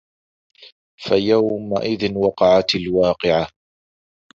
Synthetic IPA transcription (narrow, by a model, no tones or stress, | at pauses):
fajawma̰ʔɪðɪnwɑqɑʕat̪alwɑːqɨʕa